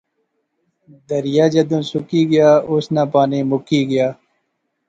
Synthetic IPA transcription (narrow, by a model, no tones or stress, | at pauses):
d̪əɾjaːd͡ʒɐd̪ũːsʊkiːɡɪjaːʊsnãːpaːniːmʊkiːɡəjaː